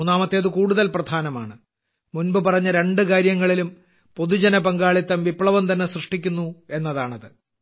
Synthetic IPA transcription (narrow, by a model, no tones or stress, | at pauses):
unaːmɐt̪ːe̞ɐðɨkuːɽuðɐlprɐd̪ʱaːnɐmaːɳɨ | munbɨpɐrɐɲːɐɾe̞ɳɖɨkaːɾjɐŋːɐɭilum | po̞ðud͡ʑɐnɐpɐŋɡaːɭit̪ːɐmʋipɭɐʋɐmt̪ɐnːe̞srɨʂʈikʲːunːue̞nːɐðaːɳɐðɨ